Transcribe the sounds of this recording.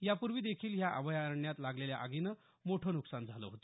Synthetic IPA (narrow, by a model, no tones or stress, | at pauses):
japuɾʋiːd̪ekʰiːljaʔə̰ʋəjaɾəɳjat̪laɡleljaʔaɡinə | moʈʰənuksand͡zʱalə̰ɦot̪o